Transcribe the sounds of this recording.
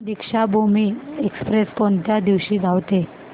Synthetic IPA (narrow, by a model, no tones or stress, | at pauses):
d̪ikʂabʱumiːekspɾeskɔnt̪jad̪iʋɕiːɡʱaʋt̪e